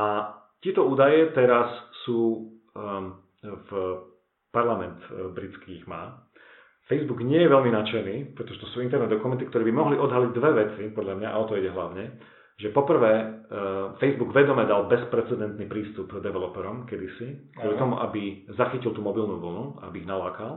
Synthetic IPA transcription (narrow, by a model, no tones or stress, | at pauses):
ac̪ɪɛt̪ɔuːd̪ajɛt̪ɛɾassuː | f | paɾlamɛnt̪bɾit͡skiɣmaː | fɛjzbuɡɲɪɛjɛʋɛʎminat͡ʃɛniːpɾɛt̪ɔʒɛt̪ɔsuːint̪ɛɾnɛd̪ɔkumɛnt̪ikt̪ɔɾɛːbimɔɦliʔɔd̪ɦaliɟd̪ʋɛʋɛt͡sipɔd̪ʎamɲaʔaɔt̪ɔiɟɛɦlaʊɲɛ | ʒɛpɔpr̩ʋɛː | fɛjzbuɡʋɛd̪ɔmɛd̪albɛspɾɛt͡sɛd̪ɛnt̪nipɾiːst̪upd̪ɛʋɛlɔpɛɾɔmkɛd̪isikkɔlit̪ɔmuʔabizaxicilt̪uːmɔbilnuʋl̩nua̰a̰biːɣnalaːkal